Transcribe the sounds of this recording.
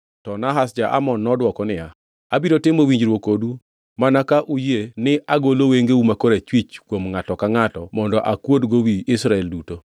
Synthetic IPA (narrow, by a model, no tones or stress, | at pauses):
tɔnaɦasd͡ʒaʔa̰mɔnːɔdwɔkɔnɪja | abiɾotɪmowiɲd͡ʒɾwokodu | manakaʔujenɪʔaɡoloweŋɡeumakoɾet͡ʃwit͡ʃkwomŋatɔkaŋatɔmɔndɔʔakwodɡowiɪsɾaɛlduto